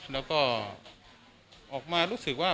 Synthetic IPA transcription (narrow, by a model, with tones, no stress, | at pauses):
lɛː˦˥wkɔː˥˩ | ʔɔː˨˩k̚maː˧ɾuː˦˥sɯ˨˩k̚waː˥˩